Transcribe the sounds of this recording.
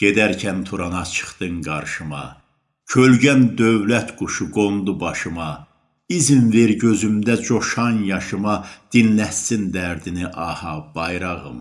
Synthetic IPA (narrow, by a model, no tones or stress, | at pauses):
ɟ̥ed̪æɾcʰænt̪ʰuɾɑnɑt͡ʃʰɨ̥χt̪ɯŋɡɑɾʃɯmɑ̰ | cʰølɟænd̪øvlæt̪ɡ̥uʃuɡond̪ubɑʃɯmɑ | iznveɾɟøzymd̪æd͡ʒoʃɑnjɑʃɯmɑd̪̥inlæt̪sind̪æɾd̪iniʔɑhɑb̥ɑjɾɑʁɯ̰m